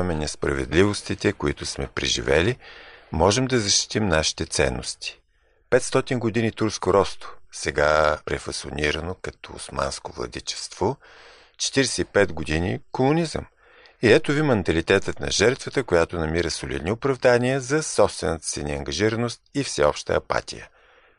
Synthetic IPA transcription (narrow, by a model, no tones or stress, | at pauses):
mɛnɛspɾɐ̰vɛ̰d̪livost̪it̪ɛkoḭt̪ʊsmɛpɾḭʒḭvɛ̰limɔʒɛmd̪ɐzɐʃt̪i̥t̪imnaʃi̥t̪ɛt̪sɛ̰nːost̪i̥ | pɛt̪st̪ɔt̪inɡod̪init̪uɾskoɾɔst̪o̥sɛɡapɾɛfɐso̰niɾənokɐt̪ɔʊ̰sma̰nskovlˠɐ̰d̪ḭt͡ʃɛ̥st̪vo | t͡ʃɛ̥t̪iɾɛsɛipɛd̪ɡod̪inḭkomʊnizə̰m | iɛt̪ovimɛnt̪ɐlit̪ɛt̪ət̪nɐ̰ʒɛɾt̪vət̪əkojat̪onɐmiɾəsolḭd̪niopɾɐvd̪anʲiəzɐsɔpst̪vɛnət̪ə̥sɛniɐŋɡɐʒiɾənost̪̚ifsɛɔpʃt̪ə̰ɐpa̰t̪ʲijə̰